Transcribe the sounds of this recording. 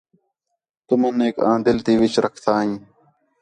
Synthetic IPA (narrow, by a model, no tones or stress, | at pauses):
t̪ʊməneːkãːd̪ɪlt̪iːʋɪt͡ʃɾəkʰt̪ʰaːɦĩː